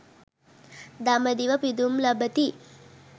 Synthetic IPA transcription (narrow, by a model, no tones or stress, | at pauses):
d̪aməd̪iʋɐpid̪umlɐbət̪i